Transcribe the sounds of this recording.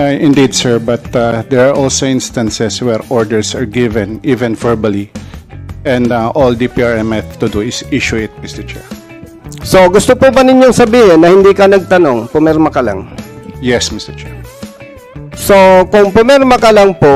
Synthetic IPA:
aʔɪ̃nd̪id̪sɛɹbɐt̪ad̪ɛɹaɹʔolsoʔɪ̃nst̪ɐnsɛswɛɹʔoɹd̪ɛɹsaɹɡɪvɛ̃nivɛ̃nvɛɹbɐli | ʔɛ̃nd̪aʔold̪ipiaɹɛmɛθt̪ʊd̪uɪsiʃʊɪt̪̚mɪst̪ɛɹt͡ʃɛ̰ɹ | so̞ɡʊst̪opubɐnɪɲjoŋsɐbiːhɪnːɐhɪnd̪iːkɐnɐɡ̚t̪ɐnoŋpʊmɛɹmɐkɐla̰ŋjɛsmɪst̪ɛɹt͡ʃɛɹ | sokʊŋpomɛɾmɐkɐlɐŋpo

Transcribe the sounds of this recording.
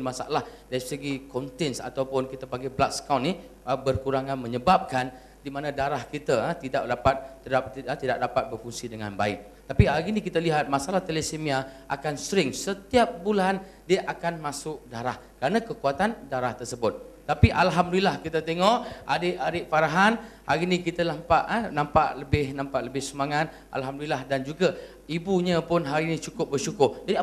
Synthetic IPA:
masaalahdaɾisəɡikɔnt̪ɛnsa̰t̪awpʊnkit̪apaŋɡɛblak̚skawniəbərkuɾaŋanməɲəbap̚kan | dimanãdaɾahkit̪at̪idaʔ̚dapat̪̚əat̪idaʔ̚dapat̪̚bərfuŋsidəŋa̰nbaɪk̚ | t̪apiaɡinikit̪aliɦat̪̚masalaht̪elesemiaʔakansəɾɪŋsət̪iap̚bulan | diəʔakanmãsʊk̚daɾahkəɾanakəkuat̪andaɾaht̪ərsəbʊt̪̚ːapiʔalɦamdulilahkit̪at̪eŋɔʔadeʔadeʔfaɾaɦanhaɾinĩkit̪anampaʔənãmpa̰ʔləbɪhnãmpaʔləbɪhsəmaŋat̪̚ | a̰lɦamdlilahdand͡ʒuɡa | ibuɲəpʊnɦaɾinĩt͡ʃukʊp̚bərt͡ʃukʊrd͡ʒadia

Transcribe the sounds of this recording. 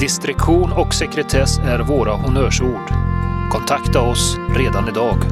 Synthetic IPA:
d̪ɪst̪ɾɪkɧuːnɔksɛkɾɛt̪ʰɛsæɾvoːɾahʊnœːʂuːɖkʰɔnt̪ʰakt̪aɔsɾeːd̪anɪd̪ɑːɡ

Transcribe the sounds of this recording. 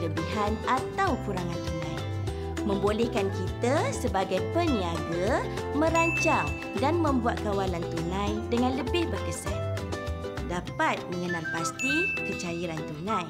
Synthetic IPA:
ləbiɦanat̪awkuɾaŋant̪unãj | mə̃mbolɛhkankit̪asəbaɡajpəniaɡa | mə̃ɾaɲt͡ʃaŋ | danmə̃mbuat̪̚kawalant̪unãjdəŋãnləbɪhbərkəsa̰l | dapat̪̚mə̃ŋənalpast̪ikət͡ʃaiɾant̪unãj

